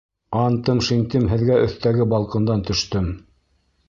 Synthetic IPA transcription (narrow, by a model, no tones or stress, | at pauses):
ɑnt̪ɤmʃiŋt̪ɘmɦɘ̆ðɡæʔɵ̆θt̪æɡɘbɑlˠqɤ̆nd̪ɑnt̪ɵ̆ʃt̪ɵm